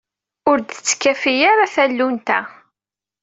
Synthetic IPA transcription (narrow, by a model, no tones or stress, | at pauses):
ʊɾd̪ət͡sːkːæfijaɾaθælːunt̪æ